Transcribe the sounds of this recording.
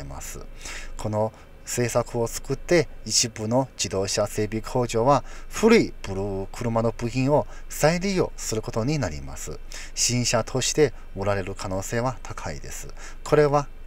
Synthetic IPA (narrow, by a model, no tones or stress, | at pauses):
ema̰sɨ̰kʰo̞no̞ | se̞ːsakɯ̟o̞t͡sɨ̥kɯ̟t̪ːe̞it͡ɕibɯno̞d͡ʑid̪o̞ːɕase̞ːbʲikʰo̞ːʑo̞βaɸɯ̟ɾɯ̟ibɯɾɯkʰɯ̟ɾɯ̟mano̞bɯ̟çʲĩɰ̃o̞ | saiɾʲiːo̞̰sɨɾɯ̟ko̞t̪o̞ɲ̟inaɾʲḭma̰sɨ̰ | ɕĩɰ̃ɕat̪ʰo̞ɕi̥t̪e̞ | oɾaɾe̞ɾɯ̟kʰano̞ːse̞ːβat̪ʰakʰaḭd̪e̞̰sɨ | kʰo̞ɾe̞βa